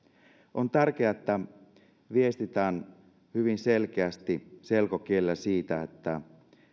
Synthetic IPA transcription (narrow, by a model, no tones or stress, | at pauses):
ʔo̞nt̪ærk̟eɑet̪ːæ | ʋie̞st̪it̪æːn | hyʋinse̞lk̟eæst̪ise̞lkok̟ielːæsiːt̪æet̪ːæ